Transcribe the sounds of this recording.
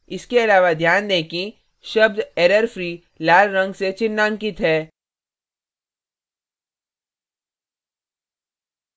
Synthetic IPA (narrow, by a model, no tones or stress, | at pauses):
ɪskeɐlaːʋad̪ʱjaːnd̪eːki | ʃɐb̚d̪ɛːɾəɾfɾiː | laːlɾɐ̃ŋɡset͡ʃɪnːãːŋkit̪ʰɦɛː